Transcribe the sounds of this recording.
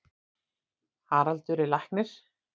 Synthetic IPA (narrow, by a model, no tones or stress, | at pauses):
haːɾalt̪ʏɾɪlahknɪɾ̥